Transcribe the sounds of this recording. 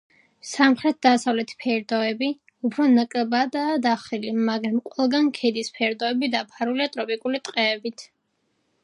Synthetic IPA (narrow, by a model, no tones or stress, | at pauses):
samχɾɛt̪̚d̪asavlɛt̪ʰpʰɛɾd̪ɔɛbi | upʰɾɔnakʼlɛbad̪aːd̪aχilimaɡɾamqʼwɛlˠɡankʰɛd̪ispʰɛɾd̪ɔɛbid̪apʰaɾuliat̪ʼɾɔpʼikʼulit̪ʼqʼɛːbit̪ʰ